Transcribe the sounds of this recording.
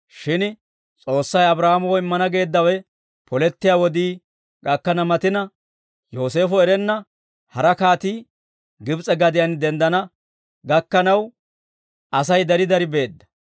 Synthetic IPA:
ʃɪn | t͡sʼo̞ːsːɐjɐbɾaːmɔwɔɪmːɐnɐɡe̞ːd̪ːɐwɛ | pʰɔlɛt̪ːɪjaːwɔd̪iː | ɡɐkːɐnɐmɐt̪ɪnɐ | jo̞ːse̞ːfɔɛɾɛnːɐ | hɐɾɐkaːt̪iː | ɡɪbt͡sʼɛɡɐd̪ɪjɐnd̪ɛnd̪ɐnɐ | ɡɐkːɐnɐw | ʔɐs̬ɐjd̪ɐɾɪd̪ɐɾɪbe̞ːd̪ːɐ̥

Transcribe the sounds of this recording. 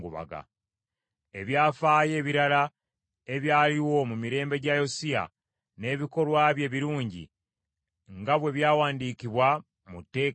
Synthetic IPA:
ɡuβa̰ɡa̰ | e̞βjaːfaːje̞ːβiɾala | e̞βjaːliwo̞mumiɾe̞ːmbe̞ɟajo̞sia̰ | ne̞ːβiko̞lwaːβje̞ːβiɾuːɲɟḭ | ŋɡaβwe̞βjaːwaːndiːkiβwa | mutːe̞ː

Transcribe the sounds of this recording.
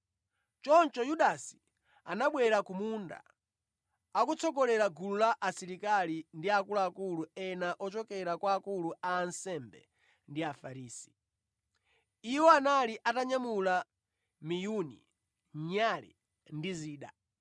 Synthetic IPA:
t͡ʃɔnt͡ʃɔjuɗasi̥ | anaɓwɛɾakumunda̰ | kut͡sʰɔɡɔlɛɾaɡululaʔːsiɾikalindiakulaːkuluɛnaʔɔt͡ʃɔkɛɾakwaːkuluaːnsɛmbɛ̰ | ndiafaɾiːsi̥ | iwɔanaliʔataɲamula | mijunḭ | ɲalḭ | ndiziːɗa̰

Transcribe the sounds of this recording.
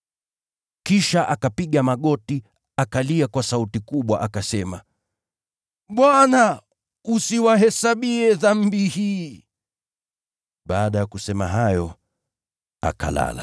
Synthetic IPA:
kiʃaʔakapiɠamaɠɔti | akaliakwasautikuɓwaʔakasɛma | ɓwana | usiwaɦɛsaɓiɛðam̩bihiː | ɓaːɗajakusɛma̰ɦajɔ | a̰ka̰la̰la

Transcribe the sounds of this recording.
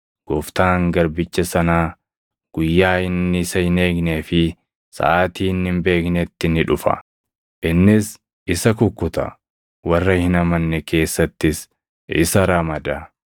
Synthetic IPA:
ɡ̥ɔft̪aːŋɡɐɾbɪt͡ʃːɐsɐnaː | ɡ̥ʊjːaːɪnːɪɪsɐhɪne̞ːkneːfɪ | sa̰aːt̪iːnhɪmbe̞ːknɛt̪ːɪnɪᶑʊfɐ̰ | ʔɪnːɪs | ɪsɐkʊkːʊt̪ɐ̰ | wɐrːɐhɪnɐmɐnːɛke̞ːsːɐt̪ːɪs | ɪ̰sɐɾɐmɐd̪ɐ

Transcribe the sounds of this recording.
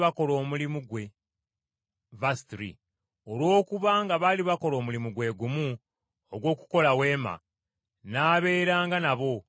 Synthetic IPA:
βako̞lo̞ːmulimuɡwe̞ | vastɾḭ | olwo̞ːkuβaŋɡaβaliβako̞lo̞ːmulimuɡwe̞ːɡumu | oɡwo̞ːku̥ko̞lawe̞ːma̰ | naːβe̞ːɾaːŋɡanaβo̞

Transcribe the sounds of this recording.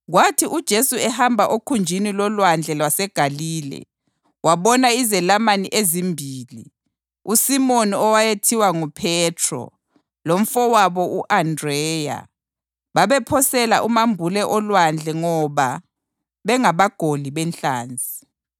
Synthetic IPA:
ɣwatʰiʔud̥ʒ̥ʱesuɛhambʱaʔokʰund͡ʒʱinilɔlwand͡ɮʱɛlwasɛɡ̥ʱaliːlɛ̰ | waβɔnaizɛlamaniʔezimbʱiːli | usimoniɔwajetʰiwaŋupʰɛtʰrɔ̰ | lom̩fɔwaβɔuʔandrɛːja̰ | βaβɛpʰɔsɛlaʔumambʱulɛʔɔlwand͡ɮʱɛŋɔβa | βɛŋaβaɡ̥ʱoliβɛnɬaːnd͡zʱi

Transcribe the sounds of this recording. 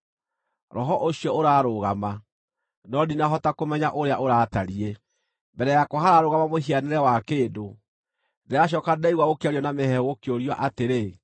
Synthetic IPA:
ɾɔɦɔʔoɕjɔoɾaːɾoɣama | nɔdinaɦɔtakomɛɲaʔoɾeaʔoɾaːtaɾiɛ | mbɛɾɛjakoɦaɾaɾoɣamamoɦianeɾɛwakeːdo | deaɕ̬ɔːkadɛiɣwaɣokeaɾjɔnamehɛɣokjoɾiaʔateɾe

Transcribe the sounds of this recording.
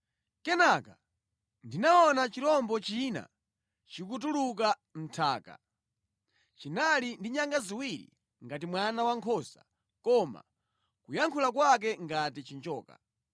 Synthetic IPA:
kɛnaka | ndinaɔnat͡ʃiɾɔmbɔt͡ʃina̰ | t͡ʃik̬ut̬uluk̬a | m̩tʰaːka̰ | t͡ʃinalindiɲaŋɡaziwiɾḭ | ŋɡat̬imwanawaŋkʰɔsa̰ | kɔma̰ | kujaŋkʰulakwak̬ɛŋɡatit͡ʃint͡ʃɔːka̰

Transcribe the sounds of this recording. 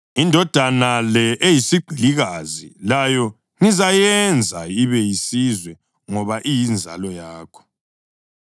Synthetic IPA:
indʱɔd̥ʱanalɛʔejisiɡ͡ǃʱiliɣazḭlajɔ | ŋizajɛnd͡zʱaiβɛjisizwɛ | ŋɔβaʔijind͡zʱa̰lɔjaːkʰɔ̥

